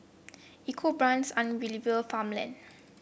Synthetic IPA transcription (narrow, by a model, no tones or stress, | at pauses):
ikʰobɹãnsãnɹilivəlfãmlã̰n